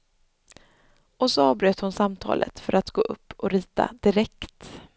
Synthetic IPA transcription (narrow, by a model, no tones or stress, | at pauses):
ʔɔsɔɑːvbɾøːt̪hʊnsamt̪ʰɑ̰ːlʔə̰t̪fœɾʔat̪ɡoːʔɵpːɔɾiːt̪a̰d̪̥ɪɾɛkt̪